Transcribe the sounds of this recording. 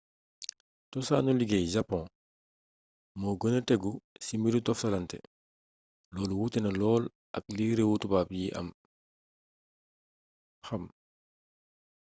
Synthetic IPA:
tɔsa̰ːnuliɡɛjd͡ʒapːɔ̃ | mɔːɡənətɛɡusimiɾutɔfsɐlɐntɛ̰ | lɔːlwutɛnɐlɔːl | ʔɐ̰k̚liːɾewutubaːpjiʔɐ̰m | xɐm

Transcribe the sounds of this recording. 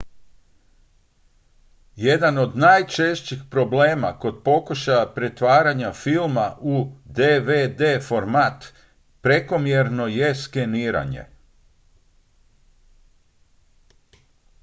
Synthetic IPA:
jed̪ano̞d̪najt͡ʃe̞ʃt͡ɕixpɾo̞ble̞ːma̰ko̞d̪po̞kuʃajapɾe̞t̪ʋaːɾaɲafilmaʔud̪eʋed̪eːfo̞ɾmat̪ | pɾe̞ko̞mjeɾno̞je̞ske̞niːɾa̰ɲḛ

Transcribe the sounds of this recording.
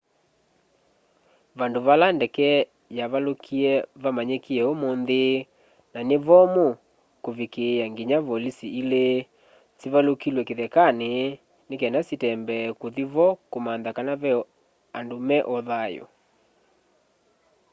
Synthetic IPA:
βandoβalandɛkɛ | jaβalokʰiɛβamaɲekiɛomonðe | naneβɔmo | koβekejaŋɡiɲaβɔlisiile | siβalokilwɛkeðɛkane | nekɛnasitɛmbɛkoðiβɔkomanðakanaβɛ | andomɛʔɔðajo̰

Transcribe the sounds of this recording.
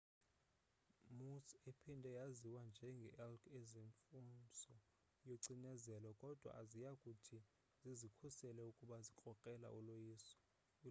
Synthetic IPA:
musepʰindʱɛjaziwand͡ʒʱɛŋɡʱɛ̰ʔɛlkʰezeɱfunsɔ | joǀinɛzɛlɔkʼɔd̥ʱwa̰ʔazijakʼutʰi | zizikʰusɛlɛukʼuɓazikʼɔkʼɛla̰ʔulojiːsɔ̥

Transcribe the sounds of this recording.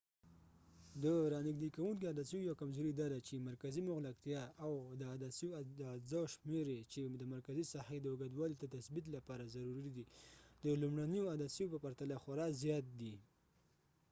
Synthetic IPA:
d̪əɾɑnɪɡd̪ekawunk̬iad̪asijojawkamzoɾid̪ɑd̪at͡ʃemaɾkazimʊɣlak̚t̪jɑawd̪əad̪asiod̪azaʃmeɾet͡ʃed̪əmaɾkazisahed̪əʊɡad̪wɑlid̪ət̪asbit̪̬lapɑɾazaɾuɾid̪id̪̥əlumɽanijoad̪asijopəpaɾt̪alaxaɾɑzjɑt̪̚d̪i

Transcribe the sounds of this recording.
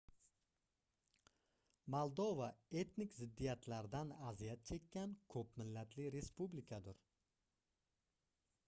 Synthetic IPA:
molˠd̪ovae̞t̪nɪkʲzɪd̪ːijat̪ʰlaɾd̪anazijat̪̚t͡ʃʰe̞kʲːankʰɵpmɪlːat̪ʰlɪɾe̞spublɪkʰad̪ʊɾ

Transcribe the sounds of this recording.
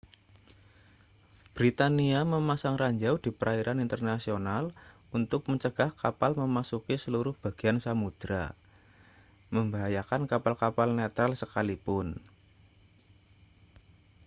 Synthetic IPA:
b̥ɾit̪aniaməmasaŋraɲd͡ʒawd̥i̤pəɾʔaiɾʔanint̪ərnasional | unt̪ʊk̚məɲt͡ʃəɡ̥ahkapalməmasukisəluɾʊhb̥a̤ɡ̥i̤ansamud̪̥ɾa̰ | məmbaɦajakankapalkapalnat̪ɾalsəkalipʊn

